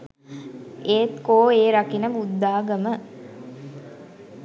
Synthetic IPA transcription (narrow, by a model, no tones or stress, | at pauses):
eːt̪koːeːɾakinəbud̪ːaːɡəmə